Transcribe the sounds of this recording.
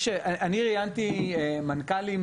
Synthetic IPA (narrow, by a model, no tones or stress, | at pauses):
ʃeaʔaniʁijant̪iemankalim